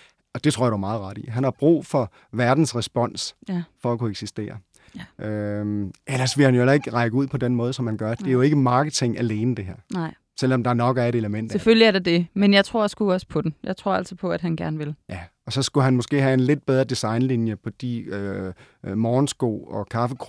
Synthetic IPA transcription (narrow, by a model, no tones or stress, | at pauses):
ɒ̽d̥e̝t͡sʰo̝ɐ̰ɐduɐmɑ̈ːð̩ˠʁɑ̈ɾ̥ḭɦænhɑ̈b̥ʁṵːfɒ̽ | ʋæɐd̥n̩sʁɛsb̥ɒ̽n̰sfɒ̽ækʰueɡ̥sisd̥e̝̰ːɐ | ʔø | ʔelɐsʋe̝lhænjoelɐe̝ɡ̥ʁɑ̈ɪɡ̥əuð̰ˠpʰɒ̽d̥enmɔ̽ːðˠsɒ̽mhænɡ̥ɶɐd̥e̝æɐjo̝e̝ɡ̥əmɑ̈ːɡ̥ət͡sʰe̝ŋæle̝ːnəd̥e̝ɦeɐ̰ | sel̰ɒ̽md̥ɑ̈æɐnɒ̽ɡ̥æɐeɾ̥eləmen̰d̥seføljəæɐɾ̥ɑd̥e̝menjɑ̈ɪt͡sʰʁo̝ɐ̰jsɡ̥uɒ̽sə̥pʰɒ̽d̥n̩jɑäɪt͡sʰʁo̝ɐ̰æl̰sɒpʰɒ̽æd̥ɦænɡ̥æɐnʋe̝ljæɒ̽sɒ̽sɡ̥uɦænmɔ̽sɡ̥e̝̰ːɦæe̝nle̝d̥̚b̥eð̞ˠɐd̥isɑ̈ɪnlinjəpʰɒ̽d̥ḭø | mɒːnsɡ̥o̰ːɒ̽kʰɑ̈fəkʰ